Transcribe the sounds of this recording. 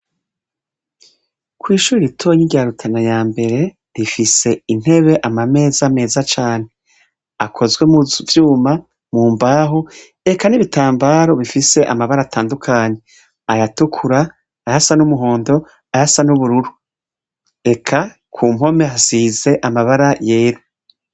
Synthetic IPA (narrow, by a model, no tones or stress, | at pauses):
kwiːʃuːɾiɾitʰoɲiɡjaɾutʰanajaːmbe̞ɾe̞ | ɾifise̞in̥e̞βe̞ʔamame̞ːzame̞ːzat͡ʃaːn̥e̞ | akʰo̞zɡwe̞muvjuːma | muːmbaːɦo | e̞kaniβitaːmbaːɾo̞βifise̞ʔa̰maβaɾaːtʰaːndukʰaːɲe̞ | ajatukʰuɾaː | jasanumuɦo̞ːndo̞ | ajasanuβuɾuɾu | e̞kʰa | kʰuːmho̞measize̞ʔamaβaɾaje̞ːɾa